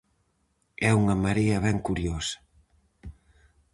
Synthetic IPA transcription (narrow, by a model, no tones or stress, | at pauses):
ɛuŋɐmaɾeɐβɛŋkuɾjosɐ̥